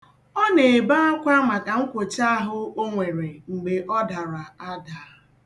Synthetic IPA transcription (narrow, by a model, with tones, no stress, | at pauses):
ɔ˦ne˨e˨ba˦a˦kʷa˦ma˨ka˨ŋ̩˦kʷo˨t͡ʃa˦ɦʊ˦o˦ŋʷe˨ɾe˨ŋ͡m̩˨ɡ͡be˨ʔɔ˦da˨ɾa˨a˦da˨˦